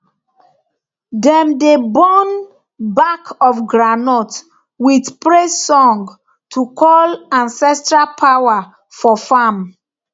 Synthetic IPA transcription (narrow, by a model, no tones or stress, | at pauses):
dɛ̃mdebɔn | bakʰɔfɡɹanɔt | widpɹesɔ̃ŋɡ | tʰukʰɔlãnsɛstɹalpʰawa | fɔfam